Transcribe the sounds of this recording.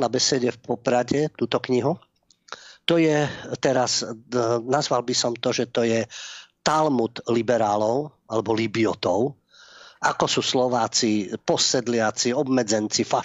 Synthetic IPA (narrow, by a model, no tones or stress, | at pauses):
nabɛsɛɟɛfpɔpɾaɟɛt̪uːt̪ɔkɲiɦu | t̪ɔjɛt̪ɛɾas | nazʋalbisɔmt̪ɔʒɛt̪ɔjɛt̪almut̪libɛɾaːlɔʊ | alɛbɔlibiɔt̪ɔʊ | akɔsuːslɔʋaːt͡sipɔsɛd̪lɪat͡siɔbmɛd͡zɛnt͡sifa